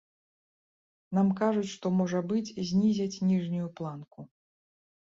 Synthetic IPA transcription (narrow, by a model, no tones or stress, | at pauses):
n̪amkaʐut͡sʲʂt̪ɔmɔʐɐbɨt͡sʲzʲnʲizʲɐt͡sʲnʲiʐnʲujuplˠanku